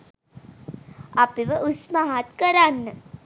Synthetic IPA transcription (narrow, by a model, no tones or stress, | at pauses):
apiʋəʔusmaɦat̪kəɾanːə